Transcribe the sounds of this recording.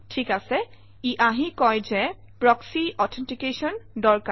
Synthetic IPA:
tʰikasɛ | iʔaɦikɔjzɛ | pɹɔksiʔɔtʰɛntikesɔndɔɹka

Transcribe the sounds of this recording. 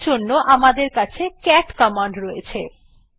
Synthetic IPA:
d͡ʑonːoʔamad̪eɾkat͡ɕʰekɛʈkɔmaɳɖɾojet͡ɕʰe

